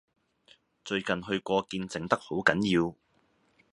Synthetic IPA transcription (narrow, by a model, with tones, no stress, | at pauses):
t͡ʃɵ˧ɥkɐ˨nɦɵ˧ɥkʷɔː˧kiː˧nt͡sɪ˨ŋt̪ɐ˥k̚ho˨˥wkɐ˨˥njiː˧w